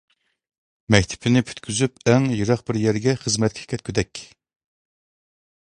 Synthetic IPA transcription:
mɛkʲt̪ʰɪ̥pʰɪnɪpʰy̥t̪kʲʰyzypæŋjɨɾɑχbɪɾjɛɾɡʲɛχəzmɛt̪̚kʲi̥kʲʰɛt̪̚kʲʰyd̪ɛkʲ

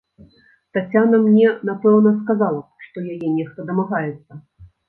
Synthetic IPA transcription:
t̪at͡sʲanɐmnʲɛnapɛwnɐskazalˠɐʂt̪ɔjajɛnʲɛʂt̪ɐd̪ɐmaɣajɛt̪sːɐ

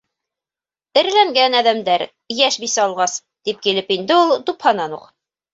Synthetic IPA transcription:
ɘ̆ɾlæŋɡænæðæmd̪æɾ | jæʃbisæɑlˠʁɑs | d̪̥ip̚kilɘpind̪ɘulˠt̪uphɑnɑnṵq

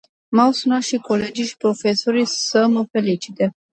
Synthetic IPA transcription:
mawsunat̪ʃiko̞le̞d͡ʒiʃi̥pɾo̞fe̞soɾijsəməfe̞lit͡ʃi̥t̪e

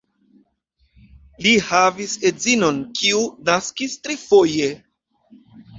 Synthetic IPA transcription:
lihavise̞zino̞nkʰiunaskistɾifo̞je̞

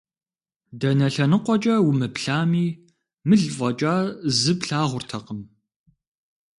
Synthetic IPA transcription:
dɐnɐɬɐnɨqʷɔt͡ʃʼɐwʊmɨpɬaːmiː | mɨɮvɐt͡ʃʼaːzɨbɬaːʁʷʊrtʰɐqəm

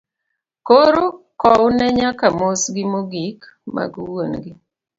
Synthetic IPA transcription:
koɾo | kɔʊnɛɲakamosɡɪmoɡik | ma̰ɡuwonɡɪ

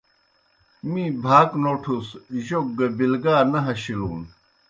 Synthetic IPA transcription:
mĩbʱaːknoːʈʰusʑok̚ːɐbilɡaːnɐɦɐɕiluːn

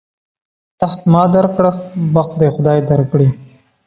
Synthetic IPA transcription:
t̪axt̪mɑːd̪aɾkɽəxbaxt̪̚d̪exʊd̪ɑːjd̪aɾkɽi

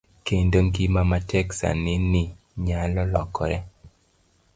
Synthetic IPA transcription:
kendoŋɡimamatʰɛksa̰nɪnɪ | ɲalɔlɔ̰kɔɾɛ

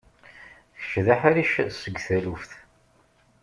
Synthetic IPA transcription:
θə̥ʃðaħaɾiʃsəɡʷθælufθ

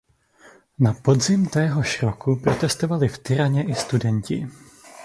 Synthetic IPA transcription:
napo̞dzɪmt̪ɛːɦo̞ʃɾo̞kʰupɾo̞t̪ɛst̪o̞valɪft̪ɪɾaɲɛʔɪst̪udɛɲcɪ̰

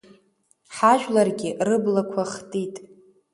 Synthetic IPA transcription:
ħaʒᶣlarɡʲɪrɨblakʷʰaχtʼitʼ

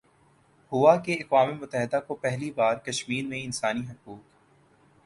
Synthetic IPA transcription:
hʊːakeɐkwaːmemʊt̪ːəɦɪd̪akopɛɦlibaːɾkɐʃmiːɾmẽɪnsaːniɦɐkuːk

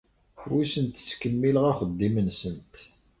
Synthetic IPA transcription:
ħwisənt̪t͡sːkəmːiləʁaχəd̪ːimənsənt̪

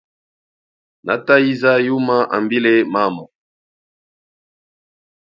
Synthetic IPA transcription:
na̰tajizajumaʔa̰mbilemamɔ

